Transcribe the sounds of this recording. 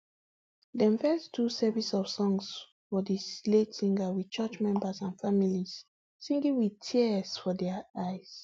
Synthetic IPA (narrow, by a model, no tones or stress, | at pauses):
dɛ̃mfɛstʰusɛvisɔfsɔ̃ŋs | fɔdisletsĩŋɡəwi̥t͡ʃɛt͡ʃmɛ̃mbasãnfamilis | sĩŋɡĩŋwiðtʰiəsfɔdɛajs